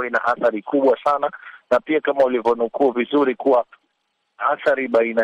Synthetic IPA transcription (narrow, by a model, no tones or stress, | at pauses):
ina̰ʔaθaɾikuɓwasananapiakamaulivɔnukuːvizuɾikuwa | aθaɾiɓaina